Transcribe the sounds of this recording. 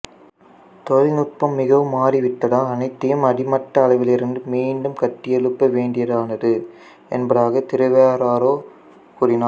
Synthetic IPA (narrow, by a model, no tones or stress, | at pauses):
t̪ɔɻnʊt̪̚pɐmːɪɣɐʋɯmːaːriʋɪʈːɐðaːɐnɐɪt̪ːɐjɯmɐɽɪmɐʈːɐːlɐɪʋɪlɪɾɯnd̪ɯmiːɳɖɯmkɐʈːɪjɛɭɯpːɐʋeːɳɖɪjɐðɯaːnɐðɯ | ɛ̰nbɐðaːɣɐt̪ɪɾɐʋɐjaːɾaːɾoː | kuːrɪnaː